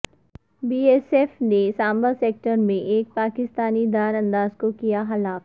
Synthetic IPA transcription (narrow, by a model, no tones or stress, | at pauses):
biːeːsefnesãːmbəseːk̚ʈəɾmẽʔeːk̚paːkɪst̪aːnid̪aːɾɐ̃nd̪aːzkokijaxɐlaːf